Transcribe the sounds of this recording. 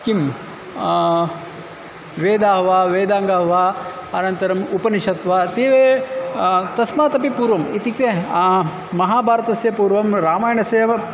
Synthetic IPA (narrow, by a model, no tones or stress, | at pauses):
kim | ʋeːd̪aːɦʋaːʋeːd̪aːŋɡaːɦʋaːɐnɐnt̪ɐɾɐmupɐniʃɐt̪ʋaːt̪eːʋeː | t̪ɐsmaːt̪ɐpipuːɾʋɐmit̪ikt̪e | mɐɦaːbʱaːɾɐt̪ɐsjɐpuːɾʋɐmɾaːmaːjɐɳɐseːʋɐ